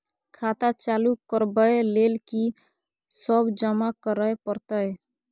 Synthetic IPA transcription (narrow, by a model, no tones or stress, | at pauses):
kʰat̪at͡ʃalukəɾbəjlelki | səbd͡ʒəmakəɾəpəɾt̪əj